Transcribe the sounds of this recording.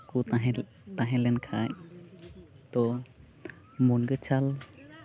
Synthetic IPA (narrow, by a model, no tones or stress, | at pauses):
kuɦ | t̪aɦɛlɛnkʰaj | t̪ɔ | munɡət͡ʃʰal